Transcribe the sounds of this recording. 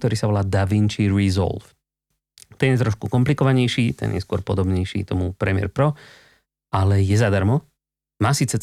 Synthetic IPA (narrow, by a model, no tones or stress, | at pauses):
t̪ɔɾiːsaʋɔlaːd̪aʋint͡ʃiɾizɔ̰lf | t̪ɛnjɛt̪ɾɔʃkukɔmplikɔʋaɲɛjʃiːt̪ɛ̰njɛ̰skʊɔɾpɔd̪ɔbɲɛjʃḭːt̪ɔmupɾɛmɪɛ̰ɾpɾɔ | ʔalɛjɛzad̪aɾmɔ | maːsiːt͡sɛ